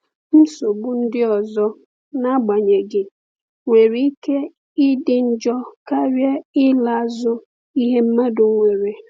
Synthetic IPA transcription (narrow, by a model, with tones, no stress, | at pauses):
m̩˦so˨bʊ˦n̩˦dɪ˦ɔ˨zɔ˦ | na˦ɡ͡ba˨ɲe˨ɡɪ˨ | ŋʷe˨ɾi˦i˦ke˦ | ɪ˦dɪ˨n̩˦d͡ʒɔ˦ka˦wje˦ɪ˦la˦˨a˦˨zʊ˦ | i˦ɦe˦m̩˦ma˦dʊ˨ŋ˦ŋʷe˨ɾe˨